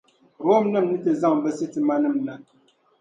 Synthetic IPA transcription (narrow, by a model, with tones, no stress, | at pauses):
ɾo˦mnɨ˦˨mnɨ˦tɛ˨za˦˨ŋ˨bɛ˦sɨ˦ti˨ma˦nɨ˦˨mna˨